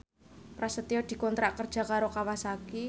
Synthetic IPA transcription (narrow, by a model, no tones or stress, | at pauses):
pɾasət̪iɔd̪̥i̤kɔnt̪ɾaʔkərd̥ʒ̥ä̤kaɾokawasaki